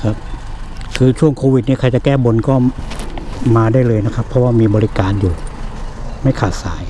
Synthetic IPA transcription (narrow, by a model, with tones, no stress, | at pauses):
kʰa˦˥p̚ | kʰɯː˧t͡ɕʰu˥˩əŋkʰoː˧wi˨˩ni˥˩kʰa˧˥jt͡ɕa˨˩kɛː˥˩bo˧nkɔː˥˩ | maː˧daː˥˩jlɤː˧jna˦˥kʰa˦˥pʰːɔ˦˥waː˥˩miː˧bɔː˧li˦˥kaː˧njuː˨˩ | ma˥˩jkʰaː˨˩t̪̚sa̰ː˩˦j